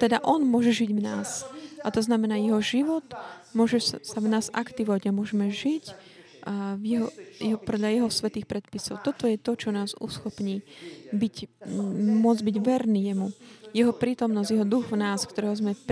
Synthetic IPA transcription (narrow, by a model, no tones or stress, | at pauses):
t̪ɛd̪aʔɔnmʊɔʒɛʒiɟvnaːsʔat̪ɔznamɛnaːjɛɦɔʒiʋɔt̪mʊɔʒɛsavnaːza̰kt̪iʋɔʋaɟamʊɔʒɛmɛʒic | jɛɦɔjɛɦɔpɔd̪ʎajɛɦɔsʋɛt̪iːxpɾɛt̪pisɔʊt̪ɔt̪ɔjɛt̪ɔt͡ʃɔnaːzṵsxɔpɲiːbic | mʊɔd͡zbiɟʋɛɾniːjɛmujɛɦɔpɾiːt̪ɔmnɔszɟjɛɦɔd̪uɣvnaːskt̪ɔɾɛːɦɔzmɛp